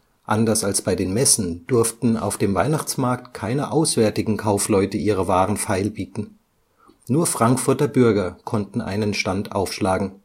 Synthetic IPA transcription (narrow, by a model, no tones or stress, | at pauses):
ʔandɐsalsb̥aɪdeːnmɛsn̩d̥ʊɐftn̩a̰ʊfd̥eːmva̰ɪnaχt͡smaɐk̚tkʰaɪnəʔaʊsv̥ɛɐtɪɡŋ̩kʰaʊflɔʏtəʔiːʁ̞əvaːʁən̩faɪlbiːtn̩ | nuːɐfʁ̥aŋkfʊɐtɐbʏɐɡɐkʰɔntn̩ʔa̰ɪnənʃtantʔa̰ʊfʃlaːɡŋ̩